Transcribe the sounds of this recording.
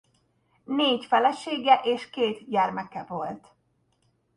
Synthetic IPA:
neːcfɛlɛʃeːɡɛʔeːʃkeːt̪ɟɛrmɛkɛvo̞lt̪

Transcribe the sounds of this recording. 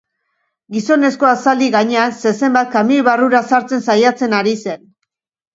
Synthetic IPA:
ɡiso̞ne̞sko̞asald̪iɣaɲe̞anse̞se̞mbat̪̚kamiβaruɾasaɾt͡se̞nsajat͡se̞naɾise̞n

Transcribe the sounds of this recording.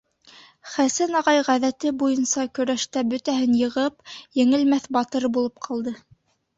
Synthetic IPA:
χæsænɑʁɑjʁæðæt̪ɘbujɤnsɑkɵ̆ɾæʃt̪æbɵ̆t̪æhɘnjɤ̆ʁɤpjɘ̆ŋɘ̆lmæθbɑt̪ɤɾbulˠɤp̚qʰɑlˠd̪ɤ

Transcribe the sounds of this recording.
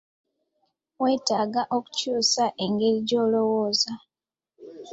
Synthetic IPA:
we̞ːtaːɡaʔo̞ku̥cuːsaʔe̞ŋɡe̞ɾiɟo̞ːlo̞wo̞ːza

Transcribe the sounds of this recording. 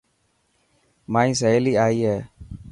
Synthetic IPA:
maːĩːs̬əeːliːaːiːɦɛː

